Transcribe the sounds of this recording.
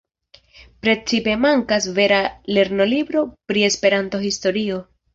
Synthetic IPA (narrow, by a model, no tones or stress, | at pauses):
pɾe̞t͡sipe̞maŋkasve̞ɾale̞ɾno̞libɾo̞pɾie̞spe̞ɾanto̞histo̞ɾio̞